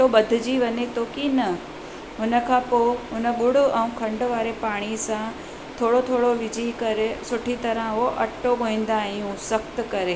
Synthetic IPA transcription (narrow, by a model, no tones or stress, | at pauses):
oɓɐd̪ʱɪd͡ʑiʋɐɲet̪oːkinɐ | ɦʊnə̆kʰãːpoːɦʊnə̆ɠʊɽ̤ʊɛ̃ũkʰɐ̃ɳɖʊʋaːɾepaːɽ̃isã | t̪ʰoːɽot̪ʰoːɽoʋɪd͡ʑʱikɐɾesʊʈʰit̪ɐɾə̃ʊɦoʔɐʈoɡoĩːn̆d̪aːɦĩjũsɐkt̪kɐɾeː